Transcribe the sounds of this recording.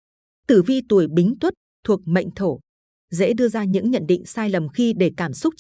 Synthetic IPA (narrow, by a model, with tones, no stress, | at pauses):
t̪ɨ˧˩vi˧t̪u˨˩əjɓï˨˦ŋ̟t̪wə˦˥t̚t̪ʰu˨˩ək̚mə̰˧˨jŋ̟t̪ʰo˧˩ | zḛ˧˥ɗɨ˧əzaː˧ɲɨ̰˧˥ŋɲə̰˧˨nɗḭ̈˧˨ŋ̟saː˧jlə˨˩mxi˧ɗe˧˩kaː˧˩msʊ˦˥k͡p̚